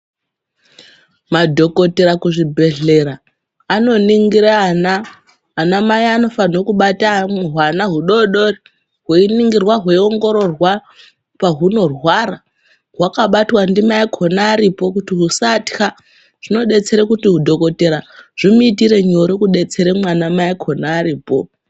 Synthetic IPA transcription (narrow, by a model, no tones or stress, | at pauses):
madʱo̞ko̞te̞ɾakuʐibʱe̞ɮe̞ɾaː | no̞niŋɡiɾanaː | namaiano̞fanokuɓatameɦwanaɦuɗo̞ɗo̞ri | ɦeiniŋɡirwaɦweio̞ŋɡo̞ɾo̞rwa | paɦuno̞rwara | ɦwakaɓatwandimaikʰo̞naːɾipo̞kutiɦusatxa | ʐ̥ino̞ɗe̞t͡se̞ɾekutiɦudʱo̞ko̞te̞ɾaʐ̥imuit̬iɾe̞ɲo̞ɾikuɗe̞t͡se̞ɾemwanamaikʰonaːɾiːpo̞̰